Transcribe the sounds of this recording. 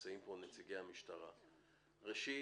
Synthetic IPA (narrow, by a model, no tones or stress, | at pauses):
t͡saimponet͡siɡejhamiʃtaʁa̰ | ʁeʃi